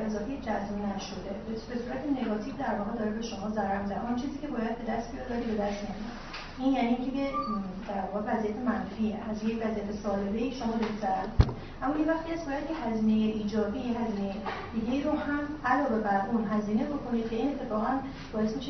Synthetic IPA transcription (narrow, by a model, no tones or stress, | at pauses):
ʔe̞zɒːfejed͡ʒæzminæʃo̞d̪e̞bbe̞suːɾæt̪ʰene̞ɡɒːt̪ʰiːvd̪æɾvɒːɣe̞d̪ɒːɾebe̞ʃo̞mɒːzæɾæɾmizæd̪eʔɔnt͡ʃʰiːziːcʰe̞bɒːjæd̪̚be̞d̪æst̪̚bijɒd̪ɒɾibe̞d̪æst̪miaæmijɒ | ʔinjæːniiːŋcʰebed̪æɾvɒːɣe̞væzijæt̪ʰe̞mænfiːeʔæzjecvæzijæt̪ʰesɒːle̞be̞ieʃo̞mɒːd̪ɒɾizæɾæɾbekʰo | ʔæmːɒːʔinvæxt̪iæstbɒːjæd̪jehæziːne̞jeʔiːd͡ʒɒːbiːjehæziːnejed̪̥iɡe̞iɾohæmælɒːbe̞bæɾʔunɦæziːne̞bo̞kʰo̞nid̪̥̚kʰeinet̪ʰːefɒːɣæn | b̥ɒːje̞smiʃe